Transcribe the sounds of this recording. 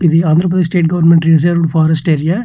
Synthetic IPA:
ɪðɯãːnd̪ɾɐp̬ɐðeːsʈeːʈ̚ɡɐʋɐɾnmɛɳʈɾɪzɐɾʋɖfaːɾɐsʈeːɾija

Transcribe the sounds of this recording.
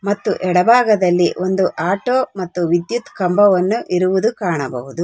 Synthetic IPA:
mɐt̪ːuʔɛɽɐbʱaːɡɐd̪ɐlːiʔond̪uʔaːʈoːmɐt̪ːuʋid̪jut̪kɐmbɐʋɐnːuʔiɾuʋud̪ukaːɳɐbɐ̰ɦud̪u

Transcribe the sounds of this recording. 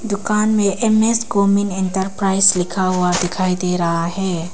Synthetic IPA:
d̪ʊkanmẽʔemesɡominɛnʈəɾpɾajslikʰawad̪ikʰajd̪eɾɐɦaɦɛ

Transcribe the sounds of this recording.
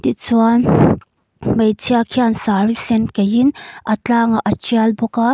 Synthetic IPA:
t̪it͡suan | mɐjt͡sʰiakʰiansaɾisɛnkɐjinʔɐt͡ɬaːŋaʔɐt͡ʃialbɔka

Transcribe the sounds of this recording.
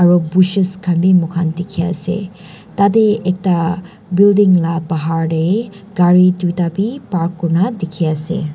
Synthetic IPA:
ɐɾubuʃiskʰɐnbimukʰandikʰia̰sḛ | tadeek̚ta | bildiŋlabaɦaɾde | ɡ̥aɾitutabipaɾkːuɾnadikʰiasḛ

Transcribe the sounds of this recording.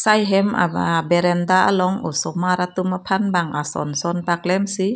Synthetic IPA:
sajɦemʔa̰abeɾɛnd̪aʔa̰lɔŋʔo̰somaɾat̪umapʰanbaŋʔasɔ̰nsɔnpak̚lɛmsi

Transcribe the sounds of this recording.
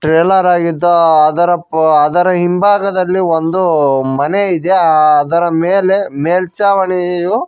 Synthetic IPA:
ʈɾeːlɐɾaːɡid̪ːɐɐd̪ɐɾɐɐd̪ɐɾɐɦimbʱaːɡɐd̪ɐlːiond̪umɐneid̪eɐd̪ɐɾɐmeːle̞meːlt͡ʃaːʋɐɳiju

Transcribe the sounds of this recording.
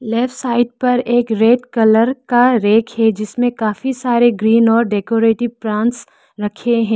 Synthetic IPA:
lɛːfʈsaːɪɖ̚pɐɾeːkɾeːɖkɐləɾkaɾeːkʰɦɛd͡ʒɪsmẽkaːfisaːɾeɡɾiːnɔːɾɖeːkoːɾeːʈɪʋpɾãːnʈs | ɾɐkʰeɦɛ̃ː

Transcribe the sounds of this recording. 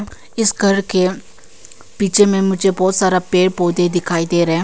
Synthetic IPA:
ɪsɡʱɐɾke | piːt͡ʃʰemẽmʊd͡ʒʱebɔːt̪saːɾapeːɽpoːd̪ed̪ɪkʰaːid̪eɾɐɦɛ̃

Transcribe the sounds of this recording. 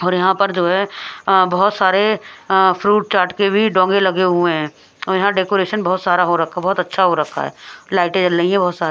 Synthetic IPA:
ɔːɾjɐɦãpɐɾd͡ʒoːɦɛbɐɦʊt̪saːɾe | pʰɾuːʈ̚t͡ʃaːɾʈkebʱiɖɔ̃ːŋɡelɐɡeɦʊẽɦɛ̃ː | ɔːɾjɐɦãɖeːkoːɾeːʃənbɔɦʊt̪saːɾaɦoɾɐkʰːabɔɦːt̪ɐtːʃʰaɦoɾɐkʰːa̰ɦɛ̰ːlaːɪʈed͡ʒɐlːəĩɦɛ̃bɔɦːt̪saːɾe

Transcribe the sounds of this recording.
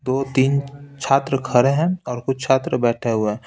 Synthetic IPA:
d̪oːt̪iːnt͡ʃʰaːt̪ɾəkʰɐɾeɦɛ̃ɔːɾkʊt͡ʃʰt͡ʃʰaːt̪ɾəbɛːʈʰeɦʊeɦɛ̃

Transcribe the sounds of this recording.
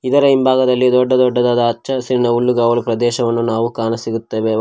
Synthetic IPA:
id̪ɐɾɐimbʱaːɡɐd̪ɐlːid̪ɔɖːɐd̪ɔɖːɐd̪aːd̪ɐːt͡ʃːt͡ʃːɐsiɾinɐulːuɡɐːwɭipɾɐd̪ɛːʃɐʋɐnːunaːʋukaːnɐsiɡut̪ːeʋe

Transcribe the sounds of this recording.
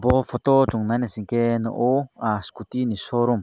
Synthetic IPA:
bɔpʰɔt̪ɔt͡ʃuŋnajnasiŋkenɔ̰ʔoaskut̪inisɔɾum

